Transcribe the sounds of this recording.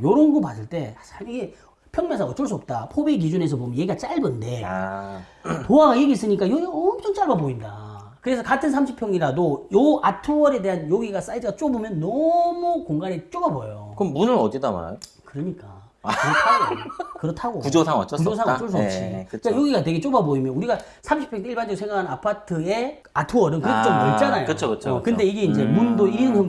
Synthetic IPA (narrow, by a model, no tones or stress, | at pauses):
joɾonɡopas͈ɯɭt͈e̞aiɡe | pʰjʌŋmʌnsʰaŋʌt͡ɕ͈ʌɭs͈uʌp̚t͈apʰobeik̬id͡ʑune̞s̬ʰʌbomjeɡiɡat͡ɕ͈aɭbʌnnde̞ | toaɡajeɡiːs͈ɯɲik͈ajoɡiʌmt͡ɕʰʌŋt͡ɕ͈aɭbaboinda | kɯɾe̞sʰʌkatʰɯns̬ʰamɕʰipʰjʌŋiɾadojoʔatʰuwʌɾe̞de̞ɦanjoɡiɡas͈aidɯɡat͡ɕ͈obomjʌnːʌmukoŋɡanet͡ɕ͈obabojokɯmbunɯɾʌtedama̰ɾa̰jo | kɯɾʌɲik͈a̰ | kɯɾʌtʰaɡokɯɾʌtʰaɡokud͡ʑosʰaŋʌ̰t͡ɕ͈okud͡ʑos̬ʰaŋʌt͡ɕ͈os̬ʰot͡ɕʰiɯajoɡiɡatwe̞ɡet͡ɕ͈obaboimjʌnuɾiɡa | sʰamɕʰi̥pʰjʌŋdeiɭband͡ʑʌoseŋɡakʰanapʰatʰɯe̞ | atʰuʌɾɯnkɯɾet͡ɕommʌnt͡ɕ͈anajoɯt͡ɕʰokɯt͡ɕʰokɯnde̞iɡe̞ind͡ʑe̞mundoiɾinɦon